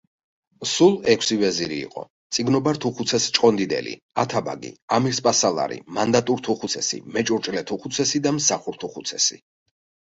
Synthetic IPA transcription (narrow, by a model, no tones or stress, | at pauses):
sulˠɛkʷʰsivɛziɾḭːqʼɔ̰ | t̪sʼiɡnɔbaɾt̪ʰuχut̪sʰɛst͡ʃʼqʼɔnd̪id̪ɛ̰lḭ | at̪ʰaba̰ɡḭamiɾspʼasalˠa̰ɾḭmand̪at̪ʼuɾt̪ʰuχut̪sʰɛsḭmɛt͡ʃʼuɾt͡ʃʼlɛt̪ʰuχut̪sʰɛsid̪amsaχuɾt̪ʰuχut̪sʰɛsḭ